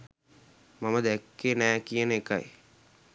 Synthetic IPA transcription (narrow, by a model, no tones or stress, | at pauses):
maməd̪ækːenɛːkijənəeka̰j